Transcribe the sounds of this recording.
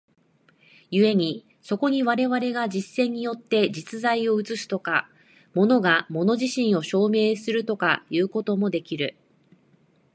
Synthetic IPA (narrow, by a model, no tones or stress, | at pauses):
jɯ̟e̞ɲ̟i | so̞ko̞ɲ̟iβ̞aɾe̞βaɾe̞ɡad͡ʑisːẽ̞ɲ̟ːijo̞t̪ːe̞d͡ʑit͡sɨzaio̞ɯ̟t͡sɨsɨ̥t̪o̞ka | mo̞no̞ɡamo̞no̞ʑiɕĩɰ̃o̞ɕo̞ːme̞ːsɨɾɯ̟t̪o̞ka̰jɯ̟ːko̞t̪o̞mo̞d̪e̞kʲiɾɯ̟